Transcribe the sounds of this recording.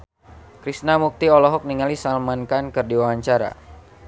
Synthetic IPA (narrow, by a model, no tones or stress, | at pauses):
kɾisnamuk̚t̪iɔlɔɦɔk̚niŋalisalmankankɨrdiwawaɲt͡ʃaɾa̰